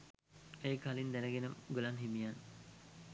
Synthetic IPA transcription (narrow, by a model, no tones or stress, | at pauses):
eːkɐlind̪ɛnɐɡenəɡulanɦimijan